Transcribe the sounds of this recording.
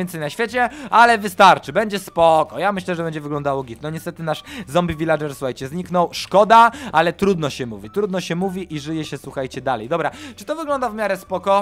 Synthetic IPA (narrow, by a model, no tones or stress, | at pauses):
jɛnt̪sɛjnaɕfʲjet͡ɕɛalɛvɘst̪aɾt͡ʂɘbɛɲd͡ʑɛspɔkɔjamɘɕlɛʐɛbɛɲd͡ʑɛvɘɡlɔnd̪awɔɡʲit̪nɔɲɛst̪ɛt̪ɘnaʂzɔmbʲivʲilaʐɛɾsuxajt͡ɕɛzɲiknɔwʂkɔd̪aalɛt̪ɾud̪nɔɕɛmuvʲit̪ɾud̪nɔɕɛmuvʲiʔiʐɘjɛɕɛswuxajt͡ɕɛd̪alɛjd̪ɔbɾat͡ʂɨ̥t̪ɔvɘɡlɔnd̪avmʲjaɾɛspɔkɔ